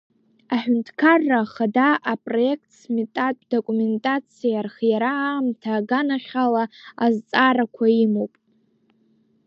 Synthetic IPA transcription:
aħᶣʊntʰkʰarːaχadaʔapʼro̞e̞kʰtʰsmetʼatʼdokʼume̞ntʼat͡sʰijarχjaɾamtʰaːɡanaχʲalaazt͡sʼaɾakʷʰaimowpʼ

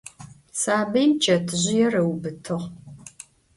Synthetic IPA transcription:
saːbɐjmt͡ʃʼɐtʰɨʑɪjɛrɐwbɨtʰɨʁ

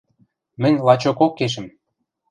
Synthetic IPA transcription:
mə̆nʲlˠɑt͡ɕokokːeʃə̆m

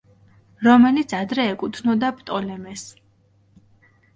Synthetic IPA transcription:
ɾɔmɛlit̪sʰad̪ɾɛːkʼut̪ʰnɔd̪apʼt̪ʼɔlɛmɛs

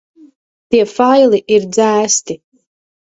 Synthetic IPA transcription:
t̪iɛfajlˠiʔiɾd̪zæːst̪i

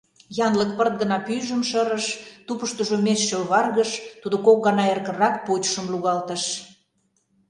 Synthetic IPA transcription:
jɑnləkpərt̪̚ɡə̆nɑpyʒəmʃəɾə̆ʃt̪upəʃt̪uʒomesʃølβɑrɣəʃt̪ud̪okok̚ɡɑnɑerkə̆rɑk̚putʃəmluɣɑlt̪ə̆ʃ

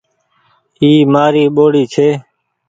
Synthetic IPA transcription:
iːmaːɾiːɓoːɽiːt͡ʃʰeː

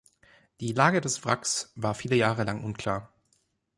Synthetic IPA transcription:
d̥iːlaːɡədɛsfʁaksvaːɐfiːləjaːʁəlaŋʔʊnkʰl̥aːɐ

